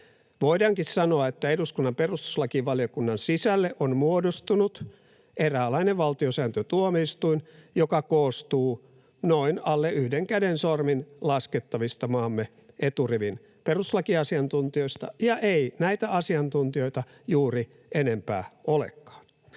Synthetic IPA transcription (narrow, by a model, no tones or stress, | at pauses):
ʋoidɑŋkissɑnoɑet̪ːæeduskunːɑmperust̪u̥slɑkiʋɑliokunːɑnsisælːeʔonmuodost̪unut̪ | ʔeræːlɑineʋʋɑlt̪iosæːnt̪øt̪uomeist̪uinjokɑkoːst̪uː | noinɑlːeʔyhdeŋkædensorminlɑsket̪ːɑʋist̪ɑmɑːmːe | et̪uriʋin | peruslɑkiɑsiɑnt̪unt̪io̞ist̪ɑ̰jɑʔeinæit̪æɑsiɑnt̪unt̪io̞it̪ɑ | juːri | enempæ̰ːolḛkːɑ̥ːn